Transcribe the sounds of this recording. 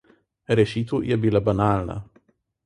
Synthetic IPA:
ɾʲɛʃʲiːt̪uːjɛbʲiːlʲɛbɐnaːlʲnɐ̰

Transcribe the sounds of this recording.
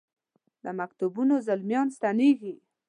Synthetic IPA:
d̪əmakt̪ubunozalmjɑnst̪aneɡi

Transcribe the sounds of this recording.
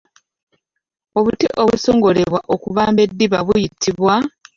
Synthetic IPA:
o̞βutiʔo̞βusoːŋɡo̞le̞βwaʔo̞kuβaːmbe̞dːiβaβujitʰːiβwa

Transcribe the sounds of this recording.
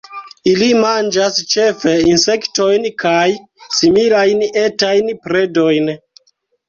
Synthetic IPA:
ilimand͡ʒast͡ʃe̞fe̞inse̞kto̞jnkaj | similajnetajnpɾe̞do̞jn

